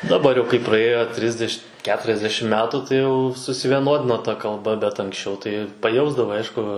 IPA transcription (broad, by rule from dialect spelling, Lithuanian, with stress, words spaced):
dɐˈbɐr jɛʊ kɐɪ prɐˈeːjoː ˈtʲrʲɪzʲdʲɛʃ ˈkʲæːtʲrʲɛzʲdʲɛʃʲɪm ˈmʲæːtuː tɐɪ ˈjɛʊ sʊsʲɪʋʲiɛˈnoːdʲɪnoː tɐ kɐlˠˈbɐ bʲɛt ɐŋksʲˈt͡ʃʲɛʊ tɐɪ pɐˈjɛʊzdɐʋɐɪ ˈɐɪʃkʊ